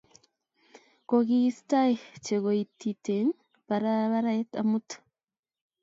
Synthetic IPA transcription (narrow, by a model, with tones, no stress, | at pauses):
ko˨ɣi˦sta˦jt͡ʃe˨ɣo˨i˨ti˨te˨ŋ | pa˨ɾa˦βa˦ɾa˦e˦ta˨mu˦tḁ